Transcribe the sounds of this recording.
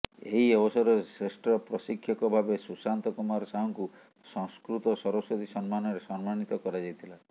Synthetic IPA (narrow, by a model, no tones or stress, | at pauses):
ḛɦiɔbɔsɔɾɔsɾesʈɾɔpɾɔsikʰːjɔkɔbʱabesusant̪ɔkumaɾɔsaɦɔŋku | sɔŋskɾut̪ɔsɔɾɔsɔt̪isɔnmanɔɾesɔnmañit̪ɔkɔɾad͡ʒajt̪ʰila